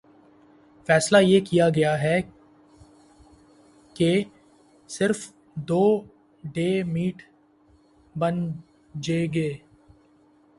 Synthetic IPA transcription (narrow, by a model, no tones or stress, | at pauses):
fɛːslajeːkijaɡɐjaɦɛ | ke | sɪɾf | d̪oː | ɖeːmiːʈ | bɐn | d͡ʒeːɡeː